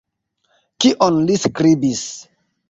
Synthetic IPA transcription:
kiʔɔ̃nliskɾibis

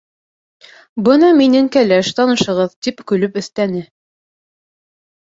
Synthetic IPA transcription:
bɤnɑminɘŋkælæʃt̪ɒnɤ̆ʃɤ̆ʁɤðt̪ipkʉ̆lɵpɵ̆θt̪ænɘ

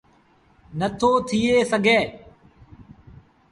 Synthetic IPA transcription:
nət̪ʰoːt̪ʰiːeːsəɡʱeː

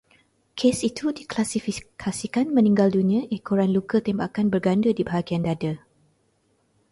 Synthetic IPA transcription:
kʰesit̪ʰudiklasifikʰasikanmə̃nĩŋɡaldunĩə̃ʔekoɾanlukət̪embakanbərɡandədibaɦaɡiandada

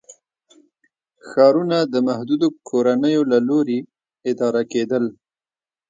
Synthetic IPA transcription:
xɑɾunad̪əmahd̪ud̪okʰoɾanəjolaloɾe | ɪd̪ɑɾaked̪əl

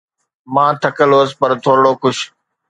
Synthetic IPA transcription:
mãːt̪ʰəkəloːəspəɾt̪ʰoːɾɽoːkʊʃ

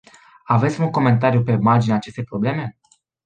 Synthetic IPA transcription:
ave̞t̪sʲmuŋko̞me̞nt̪aɾjupe̞mard͡ʒineat͡ʃe̞st̪ejpɾo̞ble̞me̞

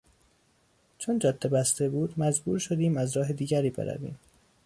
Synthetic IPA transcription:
t͡ʃʰond͡ʒɒd̪̥ːebæst̪ebuːd̪mæd͡ʒbṵːɾʃo̞d̪iːmæzɾɒːɦed̪iːɟæɾiːbeɾæ̰vḭːm

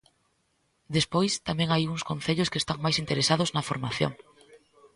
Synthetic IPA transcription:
d̪espojst̪amẽŋajuŋskõnθeʎʊskest̪aŋmajsint̪eɾesaðʊznɐfoɾmaθjo̰ŋ

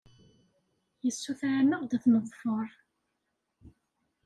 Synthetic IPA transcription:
jəsːuθʕmːəʁd̪æθnəðˤfəɾˤ

